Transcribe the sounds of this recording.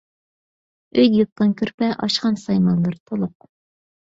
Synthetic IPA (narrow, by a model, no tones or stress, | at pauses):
øjjɨt̪̚t̪ɑnkʲʰøɾpɛʔɑʃqɑnsɑjmɑnlˠɨɾt̪ʰolˠʊq̚